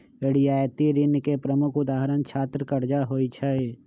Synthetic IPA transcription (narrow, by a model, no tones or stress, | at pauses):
eɽijaːjt̪iɾɪnkepɾəmʊkʰʊd̪aːɦɾənt͡ʃʰaːt̪ɾəkəɾd͡ʒaɦoːit͡ʃʰɐe